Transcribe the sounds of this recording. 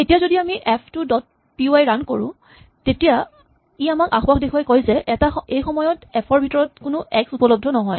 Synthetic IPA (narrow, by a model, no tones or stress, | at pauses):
etijazodiamiʔɛpʰtʊdɔt̚ | piuajɹandkoɹʊ̰̃ | tetija | iamakaxbaxdekʰuwajkojzɛʔɛtaejxɔmɔjɔtɛpʰɔɹbʱitɔɹɔtkʊnʊʔɛksupɔlɔb̚dʱɔnɔɦɔj